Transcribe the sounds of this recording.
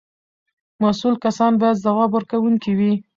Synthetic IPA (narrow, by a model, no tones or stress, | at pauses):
masulkasɑnbɑjad̪zawɑbwəɾkawuŋkiwi